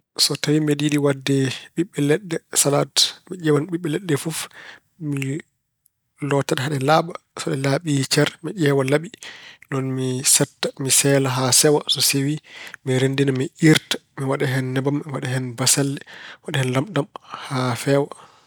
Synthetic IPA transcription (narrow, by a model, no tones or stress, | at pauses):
sɔtawimiɗiɗiwadːɛɓiɓːɛlɛɗːɛsalatmiʄɛwanɓiɓːɛlɛɗːɛfuf | mi | lɔtaɗɦaɗɛlaɓasɔɗɛlaɓit͡ʃɛɾmiʄɛːwalaɓinɔnmisɛtːamisɛːlaɦasɛwasɔsewimiɾendinamiʔiɾtḁmiwaɗɛɦɛnːɛbamːiwaɗaɦɛnbasalːɛwaɗɛhɛnlamɗamhafɛːwa